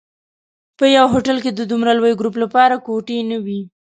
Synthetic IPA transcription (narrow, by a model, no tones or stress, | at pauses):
pəjawɦoʈalked̪əd̪umɾalwajɡɾup̬lapɑɾakoʈenəwi